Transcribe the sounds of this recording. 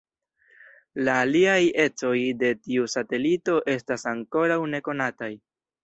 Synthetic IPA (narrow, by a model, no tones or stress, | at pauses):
laːliaje̞t͡so̞jde̞tiusate̞lito̞ʔe̞stasaŋko̞ɾawne̞ko̞nataj